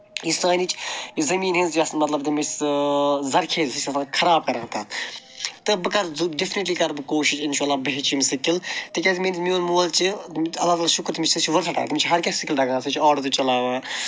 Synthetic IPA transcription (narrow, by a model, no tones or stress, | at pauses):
isaːnit͡ʃʰizɐmiːnɦenzjɐsnmɐt̪lɐbt̪imis | zɐɾkʰeːzʲsisɐsankʰɐɾaːb̚kɐɾɐt̪ɐːt̪ | t̪ɨbɨkɐɾzuɖifniʈliːkɐɾbɨkoːʃiʃinʃaːlːaːbɐɦt͡ʃʰimsɨkːilt̪ɨkʲɐzmenismioːlmoːlt͡ʃiɐlːaːt̪aːlaːʃukɾt̪ʰmit͡ʃʰsɨt͡ʃʰʋɐɾsʰɐʈa̰ːt̪mit͡ʃʰɦɐɾkʲɐsʲsɨkʲild̪ɐɡaːsɨt͡ʃʰɔːɖɐɾt̪ut͡ʃɐlaːʋɐː